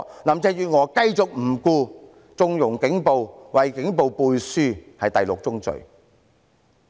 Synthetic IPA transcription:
laː˨mt͡sɛː˧jyː˨ŋɔː˨˧kɐ˧jt͡sʊ˨k̚m̩˨˩kuː˧ | t͡sʊ˧ŋjʊ˨˩ŋkɪ˨˥ŋpo˨wwɐ˨jkɪ˨˥ŋpo˨˧wpuː˧jsyː˥hɐ˨jt̪ɐ˨jlʊ˨k̚t͡sʊ˥ŋt͡sɵ̰˨ɥ

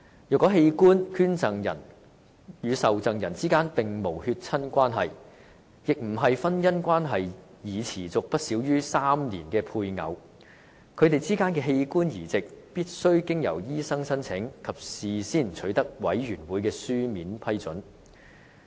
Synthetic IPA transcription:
jœː˨˩kːɔː˨˥ɦe˧jkuː˥nkʰyː˥nt͡sɐ˨ŋjɐ̰˨˩n | jyː˨˧sɐ˨wt͡sɐ˨ŋjɐ˨˩nt͡siː˥kaː˥npɪ˨ŋmo˨˩whyː˧t̚t͡sʰɐ˥nkʷaː˥nɦɐ˨j | jɪ˨k̚m̩˨˩ɦɐ˨jfɐ˥njɐ˥nkʷaː˥nɦɐ˨j | jiː˨t͡sʰiː˨˩t͡sʊ˨k̚pɐ˥t̚siː˨˥wjyː˥saː˥mnḭː˨˩nkɛː˧pʰuː˧jŋɐ̰˨˧w | kʰɵ˨˧ɥt̪e˨jt͡siː˥kaː˥nkɛː˧ɦe˧jkuː˥njiː˨˩t͡sɪ˨k̚piː˥t̚sɵ˥ɥkɪ˥ŋjɐ˨˩wjiː˥sɐ˥ŋsɐ˥nt͡sʰɪ˨˥ŋkʰɐ˨p̚siː˨siː˥˩nt͡ʃʰɵ˨˥ɥt̪ɐ˥k̚wɐ̰˨˥jɥyː˨˩nwuː˨˥jkɛː˧syː˥miː˨˥npʰɐ˥jt͡sɵ˨˥n

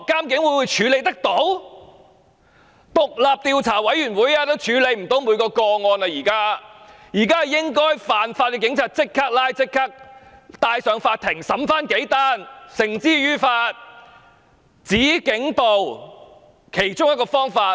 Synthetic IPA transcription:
kːaː˥mk̬ɪ˨˥ŋwu˨˧˥jwu˨˧jt͡ʃʰyː˨˧˥le˨˧jt̪ɐ˥k̚t̪o˨˥w | t̪ʊ˨k̚laː˨p̚t̪iː˨˧wt͡sʰaː˨˩wɐ˨˥jyː˨˩nwuː˨˥jaː˧˥t̪o˥wt͡ʃʰyː˨˧˥le˨˧jm̩˨˩t̪o˨˥wmuː˨˧jkɔː˧kɔː˧ŋɔː˧nɐ˧jiː˨˩kaː˥ | jiː˨˩kaː˥ɐ˨jɪ˥ŋkɔː˥jfaː˨nfaː˧t̚kɛ˧k̬ɪ˨˥ŋt͡sʰaː˧t̚t͡sɪ˥kʰːa˥k̚laː˥jt͡sɪ˥kʰːɐ˥k̚t̪aː˧jsœː˨ŋfaː˧t̚t̪ʰɪ˨˩ŋsɐ˨˥mfaː˥nke˨˥jt̪aː˥nsɪ˨˩ŋt͡siː˥ɥyː˥faː˧t̚ | t͡siː˨˥kɪ˨˥ŋpo˨˧w | kʰe˨˩jt͡ʃʊ˥ŋjɐ˥tkɔː˧fɔː˥ŋfaː˧

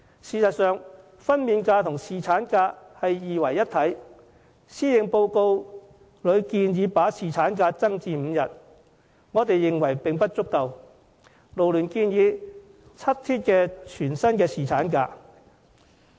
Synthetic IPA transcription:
siː˨sɐ˨t̚sœː˨ŋ | fɐ˥nmiː˨˧nkaː˧t̪ʰʊ˨˩ŋsiː˨˩t͡sʰaː˨˥nkaː˧hɐ˨jːiː˨wɐ˨˩jːɐ˥t̪ʰɐ˨˥j | siː˥jɪ˨ŋpo˧wko˧w | lɵ˨˧ɥkiː˧njiː˨˧paː˨˥siː˨t͡sʰaː˨˥nkaː˧t͡sɐ˥ŋt͡siː˧m̩˨˧jɐ˨t̚ | ŋɔː˨˧t̪e˨jːɪ˨ŋwɐ˨˩jpɪ˨ŋpɐ˥t̚t͡sʊ˥kːɐ˨˧w | lo˨˩wlyː˨˩nkiː˧njiː˨˧ | t͡sʰɐ˥t̚t̪ʰiː˥t̚kɛː˧t͡ʃʰyː˨˩nsɐ˥nkɛː˧siː˨˩t͡sʰaː˨˥nkaː˧

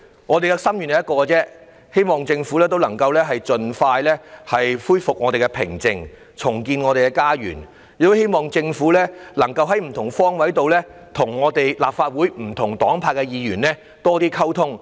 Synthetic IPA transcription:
ŋɔː˨˧t̪e˨jkɛ˧sɐ˥mjyː˨˩njɐ˨jɐ˥tkɔː˧t͡sɛː˥ | he˥jmɔː˨ŋt͡sɪ˧ŋfuː˨˥lɛː˥t̪̬o˥wlɐ˨˩ŋkɐ˧wlɛː˥ɦɐ˨jt͡ʃɵ˨nfaː˧jlɛː˥hɐ˨jfuː˥jfʊ˨k̚ŋɔː˨˧t̪e˨jkɛ˧pʰɪ˨˩ŋt͡sɪ˨˧ŋ | t͡sʰʊ˨˩ŋkiː˧nŋɔ˨˧e˨jkɛ˧kaː˥jy̰ː˨˩n | y˨˩t̪o˥he˥jmɔː˨ŋt͡sɪ˧ŋfuː˨˥lɛː˥lɐ˨˩ŋkɐ˧wɦɐ˨˥jm̩˨˩t̪ʰʊ˨˩ŋfɔː˥ŋwɐ˨˥jt̪o˨wlɛː˥ | t̪ʰʊ˨˩ŋːɔː˨˧t̪e˨jla̰ː˨p̚faː˧t̚wuː˨˥jm̩˨˩t̪ʰʊ˨˩ŋt̪ɔː˨˥ŋpʰaː˧t̚kːɛ˧jiː˨˧jyː˨˩nlɛː˥ | t̪ɔː˥t̪iː˥kʰɐ˥wt̪ʰʊ˥ŋ

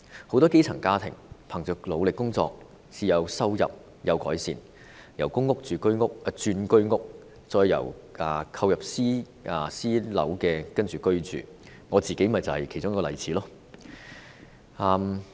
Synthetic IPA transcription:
ho˨˥wt̪ɔː˥ke˥jt͡sʰɐ˨˩ŋkaː˥t̪ʰɪ̰˨˩ŋpʰɐ˨˩ŋt͡ʃœː˨˩klo˨˧wlɪ˨kːʊ˥ŋt͡sɔ̰ː˧k̚ | siː˨jɐ˨˧wsɐ˥wjɐ̰˨p̚ | jɐ˨˧wkɔ̰ː˨˥jsḭː˨n | jɐ˨˩wkʊ˥ŋːʊ˥k̚t͡ʃyː˨kɵ˥ɥŋʊ˥k̚ːt͡ʃyː˧nkɵ˥ɥŋʊ˥k̚ | t͡sɔː˧jːɐ̰˨˩waː˨˩kʰɐ˧wjɐ˨p̚siː˥ | a˨siː˥lɐ̰˨˥wkɛː˧kɐ˥nt͡ʃyː˨kɵ˥ɥt͡ʃy̰ː˨˩ | ŋɔː˨˧t͡siː˨ke˨˥jmɐ˨˩jt͡sɐ˨whɐ˨jkʰe˨˩jt͡sʊ˥ŋɐ˥kːɔː˧lɐ˨˩jt͡sʰiː˨˥lɔː˥ | ɐː˨˧m

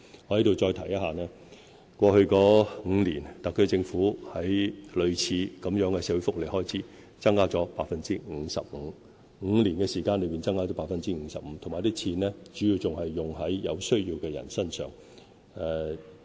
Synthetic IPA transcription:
ŋɔː˨˧hɐ˨˥t̪o˨wt͡ʃɔː˧jt̪ʰɐ˨˩jɐ˥t̚haː˨˩nɛː˥ | kʷɔː˧hɵ˧ɥkɔː˨˥ŋ̩˨˧liː˨˩nt̪ɐ˨kʰːɵ˥t͡sɪ˧ŋfuː˨˥hɐ˨˥jlɵ˨˧ɥt͡sʰiː˨˧˥kɐ˨˧mjœː˨˥ŋkɛː˧sɛː˧˥wfʊ˥k̚le˨˩jhɔː˥jt͡sʰiː˨˥ | t͡sɐ˥ŋkaː˥t͡sɔː˨˥paː˧t̚fɐ˨nt͡siː˥ŋ̩˨˧˥sɐ̰˨p̚m̩ː˨˧ | ŋ̩ː˨˧liː˨˩nkɛː˧siː˨˩kaː˧nlɵ˨˧ɥpi˨nt͡sɐ˥ŋkaː˥˩t͡sɔː˨˥paː˧t̚fɐ˧nt͡siː˥ŋ̩ː˨˧sɐ˨p̚m̩ː˨˧t̪ʰmaː˨˩jt̪iː˥t͡sʰiː˧nɛː˥t͡ʃyː˨˥jiː˨˧wt͡sʊ˨ŋhɐ˨jːʊ˨ŋɦɐ˨˥jjɐ˨˧wsɵ˥ɥjiː˧wkɛː˧jɐ̰˨˩nsɐ˥nsœ̰ː˨˩ŋ | ɛː˨˧

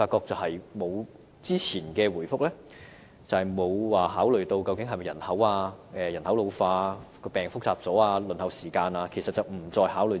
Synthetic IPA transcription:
faː˧t̚kːɔː˧k̚t͡sɐ˨whɐ˨jmo˨˧w | t͡siː˥t͡sʰiː˨˩nkɛː˧wuː˨˩jfʊ˥k̚lɛ˥ | t͡sɐ˨˧hɐ˨jmo˨˧wwaː˨˩ɦaː˨˥wlɵ˨ɥt̪o˧wkɐ˧wkɪ˨˥ŋɦɐ˨jmɐ˨jɐ˨˩nhɐ˨˥waː˧ɛː˨˧jɐ˨˩nhɐ˨˥wlo˨˧wfaː˧kɔː˧pɛː˨˩ŋfʊ˥k̚t͡saː˧p̚t͡sɔː˨˥aː˧lɵ˨nhɐ˨˧wsiː˨˩kaː˧naː˧kʰe˨˩sɐ˨t̚t͡sɐ˨wm̩˨˩t͡sɔː˧jɦaː˨˥wlɵ˨˧

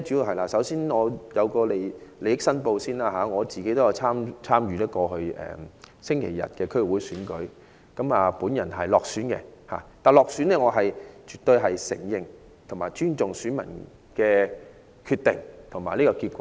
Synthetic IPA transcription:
t͡ʃy˨˥ji˨˧wɦɐ˨jlaː˧˩sɐ˨˥wsiː˥nŋɔː˨˧jɐ˨˧wkɔː˧le˨jle˨jɪ˥k̚sɐ˥npo˧wsiː˥nlaː˧ɦaː˨˧˦ŋɔː˨˧t͡siː˨ke˨˥t̪o˥jɐ˨˧wt͡sʰaː˥mt͡sʰaː˥mjyː˨lɛː˥kɔː˧hɵ˧ɥɛ̰ː˨sɪ˥ŋkʰe˨˩jɐ̰˨t̚kɛː˧kʰɵ˥w̚wuː˨˥jsyː˨˥nkɵ˨˥ɥ | kɐ˨˥maː˨puː˨˥njɐ˨˩nɦɐ˨jlɔː˨k̚syː˨˥nkɛ̰˧ha̰ː˨˩t̪aː˨nlɔː˨k̚syː˨˥nɛː˥ŋɔː˨˧ɦɐ˨jt͡ʃyː˨˩t̪ɵ˧ɥɦɐ˨jsɪ̰˨˩ŋjɪ˨ŋ | t̪ʰʊ˨˩ŋmaː˨jt͡ʃyː˥nt͡sʊ˨ŋsyː˨˥nmɐ̰˨˩n | kɛː˧ | kʰyː˧t̪ɪ˨ŋt̪ʰʊ˨˩maː˨˩jliː˥kɔː˧kiː˧t̚kʷɔː˨˦

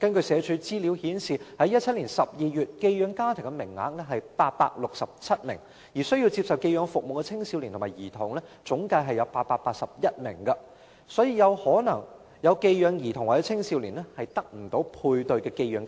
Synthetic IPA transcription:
kɐ˥nkɵ˧ɥsɛː˨˧t͡ʃʰy˨˧˥t͡siː˥li˨˥whiː˨˥nsiː˨hɐ˨˥jɐ˥t̚t͡sʰɐ˥t̚liː˨˩nsɐ˨p̚jiː˨˧jyː˨t̚ke˧jjœː˨˧ŋkaː˥t̪ʰɪ˨˩ŋkɛ˧mɪ˨˩ŋːa̰ː˨˥k̚nɛ˥ɦɐ˨jpaː˧t̚pa̰ː˧k̚lʊ˨k̚sɐ˨p̚t͡sʰɐ˥t̚mɪ̰˨˩ŋ | jiː˨˩sɵ˥jiː˧wt͡si˧psɐ˨wke˧jœː˨˧ŋfʊ˨k̚mo˨wkɛ˧t͡sʰɪ˥ŋsiː˧wli˨˩t̪ʰmaː˨˩jiː˨˩t̪ʰʊ˨˩ŋlɛː˥t͡sʊ˨˥ŋkaː˧jɦɐ˨˩jɐ˨˧wpaː˧t̚paː˧t̚paː˧k̚sɐ˨p̚jɐ˥t̚mɪ̰˨˩ŋkɐ˧ | sɔː˨˥jiː˧jɐ˨˧whɔː˨˥nɐ˨˩ŋ | jɐ˨˧wke˧jjœː˨˧ŋjiː˨˩t̪ʰʊ˨˩ŋwaː˨˩t͡sɛː˨˧˥t͡sʰɪ˥ŋsiː˧wliː˨˩nɛ˥hɐ˨jt̪ɐ˥k̚m̩˨˩t̪o˨˧˥wpʰuː˧jt̪ɵ˨˧ɥkɛː˧ke˧jœː˨˧ŋ

